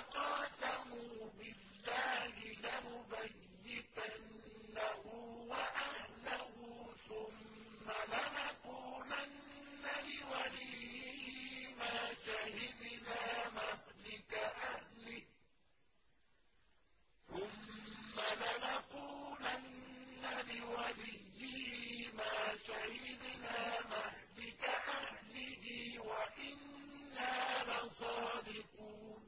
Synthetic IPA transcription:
qɑːsamuːbɪlːaːhɪlamʊbajːɪt̪anː | ahuːwaʔahlahuːθʊmː | alanaquːlanː | alɪwalihhmaːʃahɪd̪naːmahlɪkaʔahlɪh | θʊmːalanaquːlʔanːalɪwalɪjːɪhmaːʃahɪd̪naːmahlɪkaʔahlɪhɪwaʔɪnː | aːlɑsˤɑːd̪ɪquːn

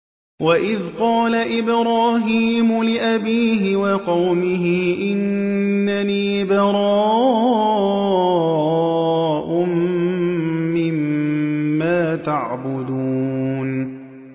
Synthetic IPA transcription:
waʔɪðqɑːlaʔɪbɾaːɦiːmʊlɪʔabiːɦɪwɑqɑwmɪɦɪʔɪnː | aniːbɑɾˤɑː | ʔʊm | ɪmː | aːt̪aʕbʊd̪uːn

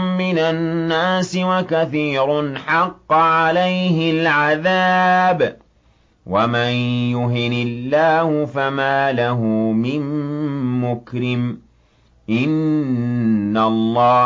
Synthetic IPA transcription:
mmɪnanːaːsɪwakaθiːɾʊnħɑqːʕalajhɪlʕaðaːb | wamanjʊɦɪnɪlːaːhʊfamaːlaɦʊmɪmː | ʊkɾɪm | ʔɪnː | alˤːɑː

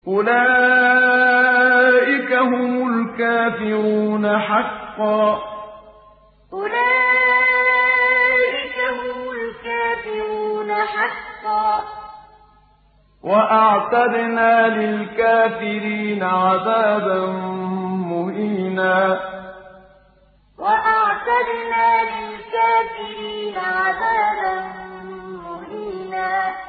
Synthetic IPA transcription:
ʔʊlaː | ʔɪkaɦʊmʊlkaːfɪɾuuːnaħɑqːɑː | ʔʊlaː | ʔɪkahʊmʊlkaːfɪɾuːnaħɑqːɑː | waʔaʕt̪ad̪naːlɪlkaːfɪɾiːnaʕaðaːbanmʊhiːnaː | waʔaʕt̪ad̪naːlɪlkaːfɪɾiːnaʕaðaːbanmʊhiːnaː

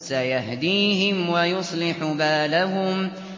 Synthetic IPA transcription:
sajaɦd̪iːɦɪmwajʊsˤlɪħʊbaːlaɦʊm

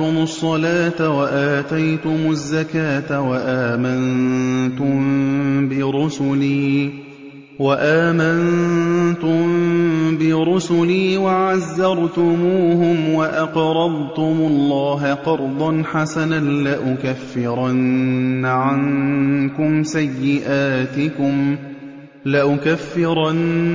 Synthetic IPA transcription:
ʊmʊsˤːɑlaːt̪awaʔaːt̪ajt̪ʊmʊzːakaːt̪awaʔaːmant̪ʊmbɪɾʊsʊliː | waʔaːmant̪ʊmbɪɾʊsʊliːwaʕazːɑɾˤt̪ʊmuːɦʊmwaʔɑqɾˤɑd̪ˤt̪ʊmʊlˤːɑːɦqɑɾˤd̪ˤɑnħasananlaʔʊkafːɪɾˤɑnː | ʕaŋkʊmsajːɪʔaːt̪ɪkʊm | laʔʊkafːɪɾˤɑn

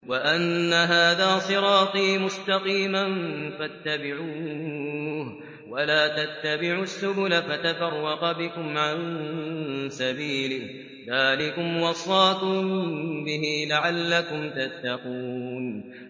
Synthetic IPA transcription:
waʔanːaɦaːðaːsˤɨɾɑːt̪ˤiːmʊst̪ɑqiːmanfat̪ːabɪʕuː | h | walaːt̪at̪ːabɪʕusːʊbʊlafat̪afɑrˤːɑqbɪkʊmʕan | sabiːlɪh | ðaːlɪkʊmwɑsˤːɑːkʊmbɪɦiːlaʕalːakʊmt̪at̪ːɑquːn

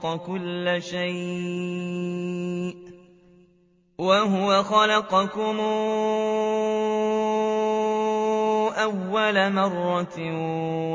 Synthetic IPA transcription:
qɑkʊlːʃajʔ | ʔ | waɦʊwaxɑlɑqɑkʊm | ʔawːalamɑrˤːɑ

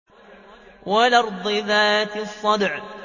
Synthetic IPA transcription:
walɑɾˤd̪ˤɨðaːt̪ɪsˤːɑd̪ʕ

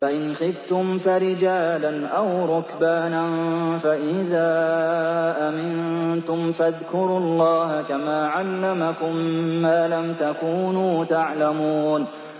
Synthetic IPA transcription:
faʔɪnxɪft̪ʊmfaɾɪd͡ʒaːlanʔawɾˤʊkbaːnanfaʔɪðaː | ʔamɪnt̪ʊmfaðkʊɾʊɑlːɑːhakamaːʕalːamakʊmːaːlamt̪akuːnuːt̪aʕlamuːn

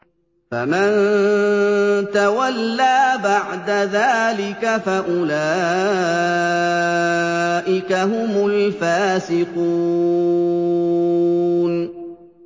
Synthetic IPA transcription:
faman | t̪awalːaːbaʕd̪aðaːlɪkafaʔʊlaː | ʔɪkaɦʊmʊlfaːsɪqu | n

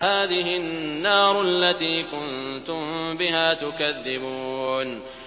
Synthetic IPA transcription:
aːðɪɦɪnːɑːɾʔalːat̪iːkʊnt̪ʊmbɪɦaːt̪ʊkaðːɪbuːn

